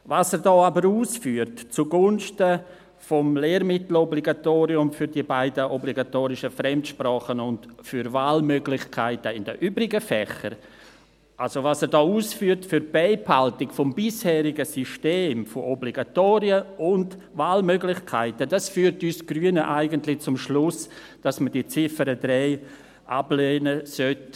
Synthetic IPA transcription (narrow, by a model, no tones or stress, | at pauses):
vaːsɛɾdɔːabəɾuːsfyːəɾtt͡suɡʊnʃtə | fomleːɾmɪtl̩ɔbliɡatoːɾiʊmfʏɾdiəbaɪdəʔɔbliɡatoːɾɪʃəfɾɛmtʃpraːχənʊndfyɾvaːlmøɡlɪxkʰaɪtəɪndə̰ʔyːbɾɪɡəfɛxə̰ɾ | ʔalsovasədɔːuːsfyːəɾtfyɾb̥ɛɪphaltɪkfɔmbɪshɛːɾɪɡəsyʃteːmfoʔɔbliɡatoːɾiəʊnd | vaːlmøɡlɪxkʰaɪtəd̥asfyːɾtyːsɡ̥ryːənəʔaɪɡəntlɪt͡sʊmʃlʊs | d̥asməd̥it͡sɪfəɾədɾɛɪ | ʔa̰bleːnəsœt